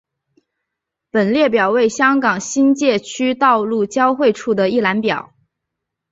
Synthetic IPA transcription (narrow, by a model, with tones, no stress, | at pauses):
pə˨˩nljɛ˥˩p̬jɑ˨˩ʊwe˥˩ɪɕjɑ˥ŋkɑ˨˩ŋɕi˥nt͡ɕjɛ˥˩t͡ɕʰy˥t̪ɑ˥˧ʊlu˥˩t͡ɕjɑ˥ʊxwe˥˧ɪʈ͡ʂʰu˥˩d̪ə˩i˥˩la˧˥npjɑ˨˩˦ʊ